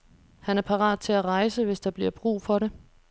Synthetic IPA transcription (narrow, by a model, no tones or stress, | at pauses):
hænæɐpʰɑ̈ʁɑ̰̈ːð̥ˠt͡sʰe̝læʁɑ̈ɪsəʋe̝sd̥ɑ̈b̥liɐ̰b̥ʁṵːfɒ̽ɾe̝